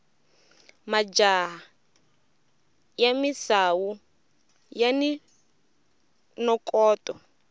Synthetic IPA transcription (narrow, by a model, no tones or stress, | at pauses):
mad͡ʒaɦa | jamisawu | jani | nɔkʼɔːtʼɔ